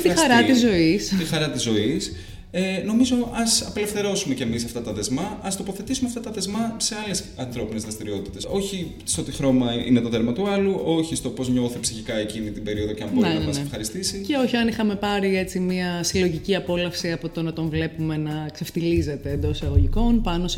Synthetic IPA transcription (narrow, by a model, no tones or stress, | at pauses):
t̪ixɐɾɐt̪izo̞ist̪ixɐɾɐt̪izo̞is | eno̞mizo̞ɐsɐpele̞fθe̞ɾo̞sume̞cemisɐft̪ɐt̪ɐðe̞zmɐɐst̪o̞po̞θe̞t̪isumeɐft̪ɐt̪ɐðe̞zmɐse̞ɐlesɐnθɾo̞pinezðɾɐst̪iɾio̞t̪it̪e̞so̞çi | st̪ot̪ixɾo̞mɐḭnet̪o̞ðe̞ɾmɐt̪uɐluʔo̞çist̪o̞po̞zɲo̞θepsiçikɐe̞cinit̪ibe̞ɾio̞ðo̞ceɐmboneeɐnsefxɐɾist̪isiceo̞çiɐnixɐme̞pɐɾie̞t͡simiɐsilo̞ʝiciɐpo̞lɐfsiɐpo̞t̪o̞nɐt̪o̞ɱvle̞pume̞nɐkse̞ft̪ilize̞t̪e̞ːnd̪o̞sɐɣoʝiko̞npɐnos